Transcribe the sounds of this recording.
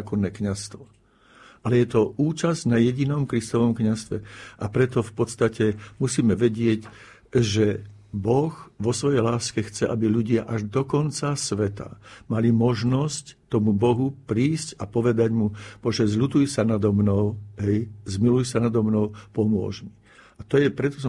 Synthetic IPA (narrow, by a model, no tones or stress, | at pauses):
kɔnːɛːkɲast̪ʋɔ | ʔalɛjɛt̪ɔʔuːt͡ʃazɟnajɛɟinɔmkɾist̪ɔʋɔmkɲast̪ʋɛ̰ʔapɾɛt̪ɔfpɔt̪st̪acɛmusiːmɛʋɛɟɪɛc | ʒɛ | bɔɣʋɔsʋɔjɛjlaːskɛxt͡sɛʔabiʎuɟɪaʔaʒd̪ɔkɔnt͡sasʋɛt̪a̰malimɔʒnɔsct̪ɔmubɔɦupɾiːscapɔʋɛd̪aɟmumɔʒɛzlut̪ujsanad̪ɔmnɔʊɦɛjzmilujsanad̪ɔmnɔʊpɔmʊɔ̰ʒmi | at̪ɔjɛpɾɛt̪ɔ̥sɔ